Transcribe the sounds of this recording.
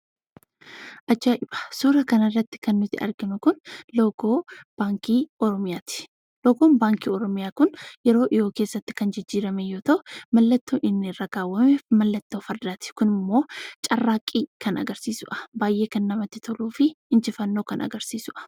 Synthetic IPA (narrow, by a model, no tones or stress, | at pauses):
ʔɐd͡ʒaːʔɪb̥ɐ̥suːɾɐkɐnɐrːɐt̪ːɪ̥kɐnːʊt̪ɪ̰ʔɐ̰ɾɡɪnʊkʊnlɔɡoːb̥aːŋkiːɔɾɔmɪjaːt̪ɪ̥ | lɔɡoːnbaːŋkiːɔɾɔmɪjaːkʊnjɛɾo̞ːʔɪjo̞ːke̞ːsːɐt̪ːɪ̥kɐnd͡ʒɪd͡ʒːiːɾɐmɛjoːt̪ɐʔʊmɐlːɐt̪ːoːʔɪnːrːaɡaːwːɐmɛmɐlːɐt̪ːoːfɐɾd̪aːt̪ɪ̥kʊnɪmːo̞ːt͡ʃʼɐrːaːkʼːiːkɐnɐ̰ɡɐɾsiːsʊʔɐ̥baːjʔe̞ːkɐnːɐmɐt̪ːɪt̪ʰɔluːfɪɪnt͡ʃɪfɐnːo̞ːkɐnɐ̰ɡɐɾsiːsʊʔɐ̥